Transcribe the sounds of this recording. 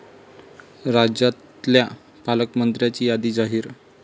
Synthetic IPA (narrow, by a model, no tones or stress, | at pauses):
ɾad͡ʑat̪lja | paləkmənd̪ɾjat͡ɕiːjad̪iːd͡zaɦiːɾ